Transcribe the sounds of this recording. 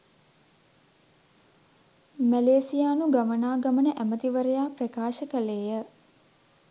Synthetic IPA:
mæleːsijaːnuɡamənaːɡamənəʔæmət̪iʋəɾəjaːprəkaːʃəkəleːjə

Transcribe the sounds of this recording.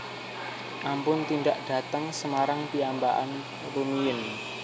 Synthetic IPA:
ʔampʊnt̪inɖaʔɖ̥a̤t̪əŋsəmaɾaŋpiambaʔa̰n | rumijɪn

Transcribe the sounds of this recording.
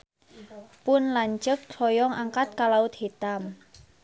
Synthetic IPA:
pʊnlaɲt͡ʃək̚t͡ʃʰɔjɔŋʔaŋkat̪̚kalaʊt̪̚hit̪am

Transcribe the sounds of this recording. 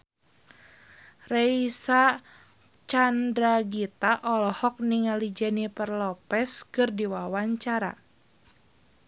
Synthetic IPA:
rɛisa | t͡ʃandɾaɡit̪aʔɔlɔhɔk̚niŋalid͡ʒanipərlɔpɛskɨrdiwawaɲt͡ʃaɾa̰

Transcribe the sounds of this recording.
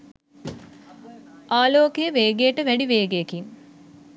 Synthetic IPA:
ʔaːloːkejəʋeːɡejəʈəʋæɖiʋeːɡejekiŋ

